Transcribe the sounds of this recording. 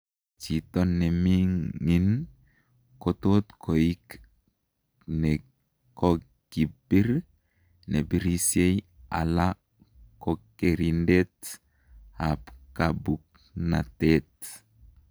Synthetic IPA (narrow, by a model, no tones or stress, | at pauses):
t͡ʃit̪onːemiŋːin | kotot̪kʰoik | ne | ko | ɡ̥ibiɾ | nebiɾisieja̰la | kokeɾindet | apkabuk̚ | na̰tet